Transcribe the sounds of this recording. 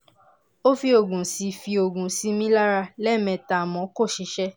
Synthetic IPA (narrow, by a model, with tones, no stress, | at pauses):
o˦fi˧o˨ɡũ˨si˧fi˧o˨ɡũ˨si˧˦mĩ˦la˦ɾa˧lɛ˦˨mɛ̃˧˨ta˨mɔ̃˨˦ko˦˨ʃi˧˦ʃɛ˦